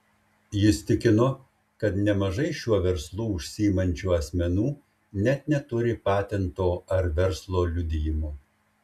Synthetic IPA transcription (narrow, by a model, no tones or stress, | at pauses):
jɪst̪ʲɪkʲɪno | kɐt̪nʲɛmɐʒɐɪʃʲuɔʋʲɛɾslˠuːʊʃʲsʲiɪmɐnʲt͡ʃʲuːɐsʲmʲɛnuː | nʲɛt̪nʲɛt̪ʊɾʲɪpɑːt̪ʲɛnt̪oːɐɾʋʲɛɾslˠoːlʲʊd̪ʲɪjɪmu